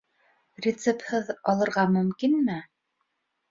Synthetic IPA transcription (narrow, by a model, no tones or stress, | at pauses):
rʲɪt̪sephɤðɑlˠɤ̆ɾʁɑmɵ̆mkinmɘ